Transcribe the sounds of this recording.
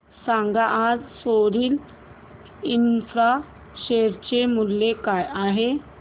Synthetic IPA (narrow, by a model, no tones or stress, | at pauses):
sãŋɡaʔad͡zsoɾiːl | infɾa | ɕeɾt͡ɕemulːekajaɦe